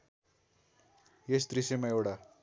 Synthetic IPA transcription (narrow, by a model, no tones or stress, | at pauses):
jest̪ɾisemaewɽa